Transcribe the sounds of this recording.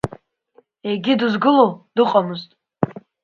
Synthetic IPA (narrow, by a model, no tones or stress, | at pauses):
e̞ɡʲiduzɡɨlod̥ɨqʼamɨztʼ